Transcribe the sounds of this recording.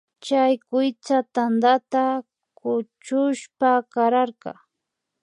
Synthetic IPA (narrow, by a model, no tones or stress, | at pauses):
t͡ʃajkʊjt͡sat̪and̪at̪a | kʊt͡ʃʊʃpakaɾaɾkɑ̰